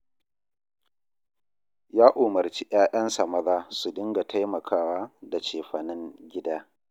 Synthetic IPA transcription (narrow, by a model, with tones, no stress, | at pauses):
jaː˦ʔʊ˨mɐ˨rt͡ʃi˦ʔj̰aː˦ɗɐ˦nsɐ˨mɐ˦ðaː˦su˨dɪ˦ŋɡa˨tʰa˦jmɐ˨kʰaː˦waː˦da˨t͡ʃeː˨ɸɐ˨nɪ˦ŋɡʲɪ˦daː˦